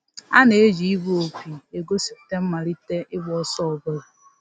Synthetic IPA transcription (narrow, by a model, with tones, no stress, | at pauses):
a̰˦ne˨e˦d͡ʒi˨i˦bu˦o˨k͡pi˨e˨ɡo˦si˦˨te˦m̩˦ma˨ɾi˦te˦ʔɪ˦ɡ͡bɔ˨˦ɔ˦sɔ˦ɔ˨bʊ˦ɾa˨